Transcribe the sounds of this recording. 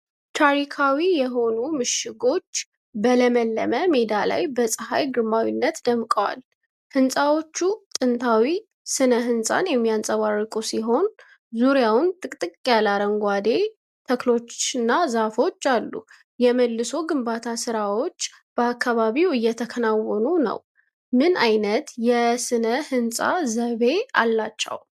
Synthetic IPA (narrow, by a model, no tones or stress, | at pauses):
t͡ʃʰaɾikʰawijɛɦo̞numɨʃɪɡo̞t͡ʃː | bələməlːə̰məme̞d̪ala̰jbəsʼɨha̰jɡɨɾmawinːət̪d̪əmkʼəwa̰l | hɨnsʼawo̞t͡ʃːut̪ʼɨnt̪ʰawi | sɨnəɦɨnsʼa̰njɛmːijansʼəβarːɨkʼusiɦo̞n | zuɾjawʊnt̪ʼɨkʼt̪ʼɨkʼjalaɾəŋɡʷad̪e̞ | t̪ʰəklo̞t͡ʃːɨnːazafo̞t͡ʃːalːṵ | jɛməlːɨso̞ɡɨmbat̪ʰasɨɾawo̞t͡ʃː | b̥əakːaβaβiwɨjːɛt̪ʰəkʰənawːɔnunə̰w | mɨnajnət̪jɛsɨnəhɨnsʼa̰zəβe̞a̰lːat͡ʃːɛ̰w